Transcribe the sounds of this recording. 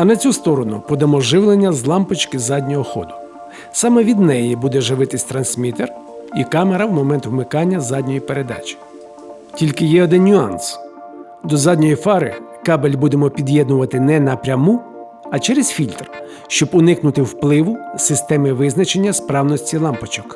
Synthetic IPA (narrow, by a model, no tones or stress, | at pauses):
ɐnɐt͡sʲust̪ɔɾɔnʊ̰pɔd̪ɐmɔʒɪwlˠenʲːɐzlˠɑmpʊt͡ʃkɪzɑdʲnʲɔɦɔxɔ̰d̪ʊ | sɑmɛʋʲid̪nɛjibud̪ɛʒɪʋɪt̪ɪsʲt̪ɾɐnsmʲit̪er | ikɑmeɾɐwmɔmɛnt̪ʋmɪkɑnʲːɐzɑdʲnʲɔjipeɾed̪ɑ̰t͡ʃi̥ | tʲilʲkɪjɛɔd̪ɪnnʲʊɑ̰ns | d̪ɔzɑdʲnʲɔjifɑɾɪ̰kɑbelʲbud̪emɔpʲid̪ʲjɛd̪nʊʋɐt̪ɪnɛnɐpɾʲɐmu | ɐt͡ʃɛɾezfʲilʲt̪r | ʃt͡ʃɔbʊnɪknʊt̪ɪwplˠɪʋʊsɪst̪ɛmɪʋɪznɐt͡ʃenʲːɐspɾɑwnɔsʲtʲilˠɑmpɔt͡ʃɔk